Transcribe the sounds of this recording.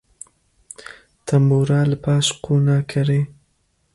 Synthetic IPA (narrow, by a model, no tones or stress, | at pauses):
t̪ʰɐmbuːɾaːləpʰɑːʃqʰuːnaːkʰɐɾeː